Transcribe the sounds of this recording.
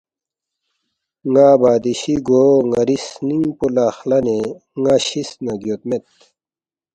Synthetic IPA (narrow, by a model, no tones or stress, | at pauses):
ŋaːbaːd̪iɕiɡoːŋɐɾisnĩpulaːxlɐneŋaɕisnɐɡjot̪met̪